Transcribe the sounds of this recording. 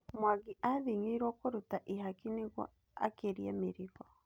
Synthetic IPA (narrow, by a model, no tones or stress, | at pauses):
mwaɣiʔaðiŋeiɾwɔkoɾutaʔiɦakineɣwɔ̰ | a̰keɾiameɾiɣɔ